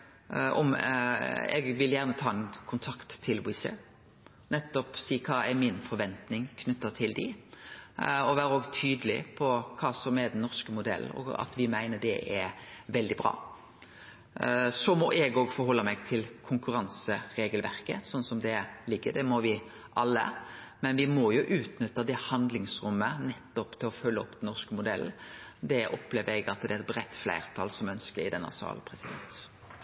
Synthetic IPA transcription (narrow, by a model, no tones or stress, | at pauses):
ɔ̰m | ɛ̰ɡʋɪljæːʁnət̪ʰɑːɛnkʰʊnt̪ʰɑkt̪ʰːɪlwɪsə̰ | nɛt̪ːɔpsiːkʰɑːɛɾmɪnfɔɾʋɛnt̪nɪŋkʰnʉt̪ːət̪ʰɪld̪ɪ̰ | ɔʋæːɾəoɔːɡt̪ʰyːd̪əlɪpʰɔkʰɑːsɔmɛɾd̪ɛnːɔʁskəmʊd̪ɛ̰lɔ̰ɑ̰t̪ʋɪmæɪnəd̪ɛʔɛʋɛld̪ɪbɾɑ̰ː | sɔmɔʔɛɡɔɡfɔɾhɔlːəmɛɡt̪ʰɪlkʰʊŋkʉɾɑnsəɾeːɡəlʋæɾkəsɔnːsɔmd̪ɛlɪɡːəd̪ɛmɔʋɪ | ʔɑlːə̰mɛnʋɪmɔjʊʔʉːt̪nʏt̪ːəd̪ɛhɑnd̪lɪŋsɾʉmːənɛt̪ːɔpt̪ʰɪlɔfœlːəɔpd̪ɛnːɔʁskəmʊd̪ɛl̩d̪ɛʔɔ̰pleːʋəɾɛɡɑt̪d̪ɛɛt̪̚bɾɛt̪ːflæ̰ɪɾt̪ʰɑlsɔmœnskəɾɪd̪ɛnːə̰sɑ̰ːlpʰʁɛsɪd̪ɛ̰nt̪